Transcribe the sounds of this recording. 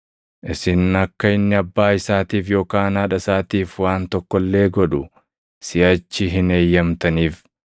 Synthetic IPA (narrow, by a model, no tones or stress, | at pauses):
ʔɪsɪnɐkːɐɪnːɪɐbːaːɪsaːt̪iːfjo̞ːkaːnɐːᶑɐsaːt̪iːfwaːnt̪ɔkːɔlːe̞ːɡɔᶑʊ | sɪɐt͡ʃːɪɦɪne̞ːjːɐmt̪ɐniːf